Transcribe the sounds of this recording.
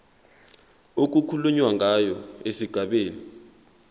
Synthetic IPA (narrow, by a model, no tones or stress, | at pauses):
ok̬ukʰuluɲwaŋʱajɔesiɡ̥ʱaɓeːni